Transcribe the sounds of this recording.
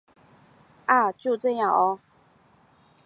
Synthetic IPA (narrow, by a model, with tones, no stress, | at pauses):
ʔa˥˨˩t͡ɕjo˥˨ʊʈ͡ʂɤ˥˧jɑ˥˩ŋʔɔ˧˦